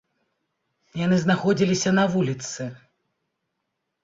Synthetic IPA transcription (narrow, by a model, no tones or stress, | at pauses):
janɨznaxɔd͡zʲilʲisʲɐnɐvulʲit̪sɨ